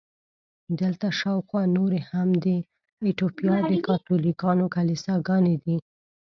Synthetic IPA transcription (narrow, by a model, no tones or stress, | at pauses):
d̪əlt̪aʃɑwxwɑnoɾehamd̪ə | et̪opijɑd̪əkɑt̪ulikɑnokalisɑɡɑned̪i